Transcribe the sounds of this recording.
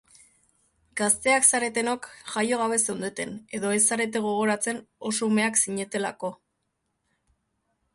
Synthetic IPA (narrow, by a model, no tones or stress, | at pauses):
ɡ̥ast̪e̞aksaɾe̞t̪e̞nokʝajo̞ɣ̞aβ̞e̞se̞nd̪et̪e̞ne̞ðo̞e̞sːaɾe̞t̪̬e̞ɣ̞o̞ɣ̞o̞ɾat͡se̞no̞so̞ume̞aksiɲe̞t̪e̞la̰ko̞